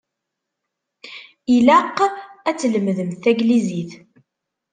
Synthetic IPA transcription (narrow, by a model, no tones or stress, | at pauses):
ilæqːæt͡sːələmðəmθæɡliziθ